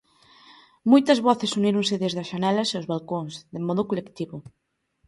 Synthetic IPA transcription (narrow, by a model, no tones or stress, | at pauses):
mojt̪ɐzβɔθesuniɾʊŋseðezðɐsʃanɛlɐseowzβalkoŋsðemɔðʊkolekt̪iβʊ